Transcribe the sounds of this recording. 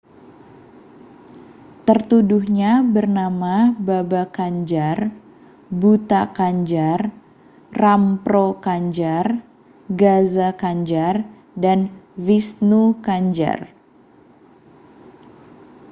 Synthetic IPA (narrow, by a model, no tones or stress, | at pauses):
t̪ərt̪uduhɲabərnamababakaɲd͡ʒar | but̪akaɲd͡ʒar | rampɾokaɲd͡ʒar | ɡazakaɲd͡ʒar | danvisnukaɲd͡ʒa̰r